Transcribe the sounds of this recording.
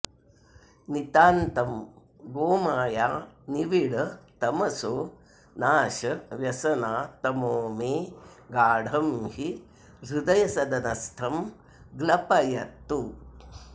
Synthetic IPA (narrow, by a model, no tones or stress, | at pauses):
nit̪aːnt̪ɐm | ɡoːmaːjaːniʋiɽɐt̪ɐmɐsoː | naːʃɐʋjɐsɐnaːt̪ɐmoːmeːɡaːɽʱɐmhi | ɾud̪ɐjɐsɐd̪ɐnɐst̪ʰɐm | ɡlɐpɐjɐt̪ːu